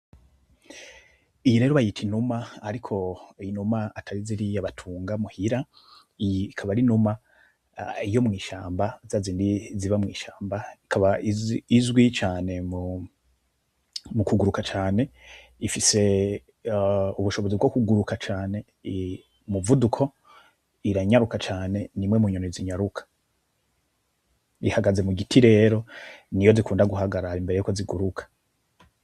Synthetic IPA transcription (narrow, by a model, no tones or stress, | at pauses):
ijiɾe̞ːɾoβajitʰinumaaɾikʰo̞numaatʰaɾiziɾijaβatʰuːŋɡamuhiɾa | kʰaβaɾinuma | ijo̞mŋiːʃaːmbazaziːndiziβamŋiːʃaːmbai̥kʰaβaiizwit͡ʃaːne̞mu | mukuɡuɾukat͡ʃaːne̞ | ifise̞ | uβuʃo̞βo̞zibɡo̞kuɡuɾukat͡ʃaːne̞ | muvudukʰo̞ | iɾaɲaɾukat͡ʃaːne̞nimŋemuɲonoiziɲaɾukʰḁ | ihaɡaze̞muɡitʰiɾe̞ːɾo̞nijo̞zikʰuːndaɡuɦaɡaɾaimbe̞ɾejuːkoziɡuɾukʰḁ